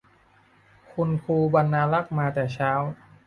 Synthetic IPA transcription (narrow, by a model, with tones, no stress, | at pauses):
kʰu˧nkʰuː˧ba˧nːaː˧la˦˥˩k̚maː˧t̪ɛː˨˩t͡ɕʰaː˦˥w